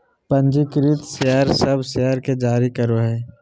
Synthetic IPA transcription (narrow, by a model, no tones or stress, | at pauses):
pɐ̃nd͡ʒikɪɾɪt̪seəɾsɐbʱseəɾked͡ʒaːɾikɐɾoɦɛː